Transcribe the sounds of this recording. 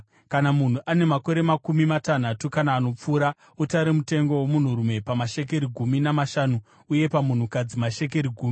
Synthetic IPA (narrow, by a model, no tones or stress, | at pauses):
kanamun̤uʔane̞mako̞ɾe̞makumimatan̤atukanaːno̞p͡fuːɾa | utaɾemute̞ŋɡo̞womun̤uɾume̞pamaʃe̞k̬e̞ɾiɡʱuminamaʃaːnu | uje̞pamun̤ukad͡zimaʃe̞k̬e̞ɾiɡʱuːmi